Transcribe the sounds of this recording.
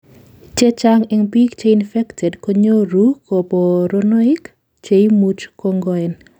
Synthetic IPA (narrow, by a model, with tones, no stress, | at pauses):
t͡ʃe˦t͡ʃaŋɛŋbi˦kt͡ʃe˦infɛ˦ktʰɛ˨dko˦ɲo˦ɾuko˨bo˨ɾonɔ˦ɪ˦k | t͡ʃe˦jmut͡ʃkɔ˦ŋɡɔɛn